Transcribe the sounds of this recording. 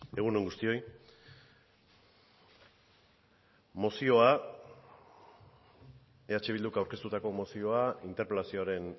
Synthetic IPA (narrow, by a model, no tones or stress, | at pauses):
e̞ɣ̞unoŋɡust̪io̞j | mo̞sio̞a | e̞at͡ʃe̞β̞ild̪ukawɾke̞st̪ut̪ako̞mo̞sio̞aint̪eɾpɾelasio̞aɾe̞n